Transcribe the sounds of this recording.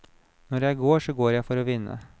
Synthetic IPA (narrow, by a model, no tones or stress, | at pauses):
nɔɾjæɪɡoːʂoːɡoːɾjæɪfɔɾoːʋɪnːə̰